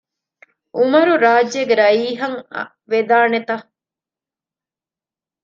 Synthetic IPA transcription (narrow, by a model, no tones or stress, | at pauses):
ʔumɐɾuɾaːd͡ʒeɡeɾɐiːɦɐŋ̰ | ʋed̪aːnet̪ɐ